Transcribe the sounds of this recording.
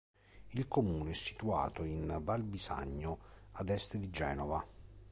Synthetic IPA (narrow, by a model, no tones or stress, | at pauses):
ilkomuːneɛsːi̥t̪ua̰ːt̪oinbalbisa̰ɲːʊad̪ɛst̪ed̪id͡ʒɛːnɔva